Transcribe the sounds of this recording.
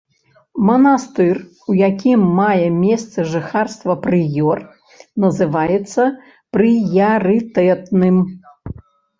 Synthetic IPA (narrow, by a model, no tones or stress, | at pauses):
mɐnast̪ɨr | ujakʲimːajɛmʲest̪sɨʐɨxarst̪vɐpɾɨjɔr | nɐzɨvajɛt̪sːɐ | pɾɨjɐɾɨt̪ɛt̪nɨm